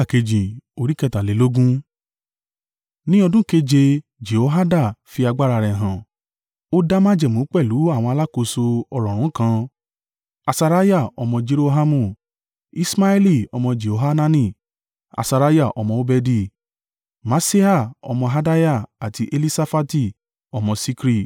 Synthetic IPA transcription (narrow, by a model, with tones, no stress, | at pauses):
a˦˨ke˧d͡ʒĩ˨o˨˧ɾi˦kɛ˧˨ta˨le˨˦lo˦ɡũ˦ | nĩ˦ɔ˧dũ˦ke˧d͡ʒe˧ | d͡ʒe˨o˨˦ɦa˦da˦˨fi˧a˧ɡ͡ba˦ɾa˧˨ɾɛ˨ɦã˨ | o˦da˦mã˦d͡ʒɛ˨mũ˨˦k͡pɛ˦˨lu˨˦a˦˨w̃ɔ̃˧a˧la˦ko˧so˧ɔ˧ɾɔ̃˨ɾ̃ũ˨˦kã˧ | a˧sa˧ɾa˦ja˦˨ɔ˧mɔ̃˧d͡ʒe˧ɾo˧ɦa˧mũ˧˨ | i˦sma˦ɛ˦li˦˨ɔ˧mɔ̃˧d͡ʒe˨o˨ɦa˦nã˦nĩ˦˧˨ | a̰˨sa˧ɾa˦ja˦˨ʔɔ˧mɔ̃˧o˦bɛ˧di˧˨ | ma˧se˦a˦˨ɔ̰˧mɔ̃˧ɦa˧da˦ja˦˨a˨ti˧ʔe˧li˦sa˧fa˦ti˦˨ | ɔ˧mɔ̃˧si˧kɾi˦˨